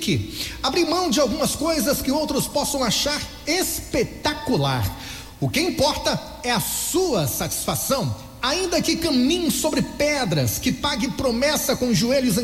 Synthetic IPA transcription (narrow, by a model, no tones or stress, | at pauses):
kɪabɾimɐ̃w̃d͡ʒɪawɡũmɐskojzɐskɪowt̪ɾʊspɔsɐ̃w̃aʃaɾ | espet̪akulaɾ | ʊkɪĩmpɔɾt̪ɐ | ɛɐsuɐsat͡ʃi̥sfasɐ̃w̃ | aĩnd̪ɐkɪkɐ̃mĩɲʊsobɾɪpɛd̪ɾɐskɪpaɡɪpɾomɛsɐkõʒueʎʊzẽ